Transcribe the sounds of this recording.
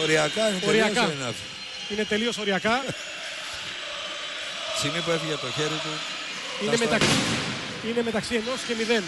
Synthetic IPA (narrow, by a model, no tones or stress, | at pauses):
oɾiɐkɐinoɾiɐkɐnɐt | ine̞t̪e̞lio̞so̞ɾiɐkɐ | simipuefiʝet̪oçeɾit̪u | inemet̪ɐksi | ine̞me̞t̪ɐksieno̞scemiðe̞n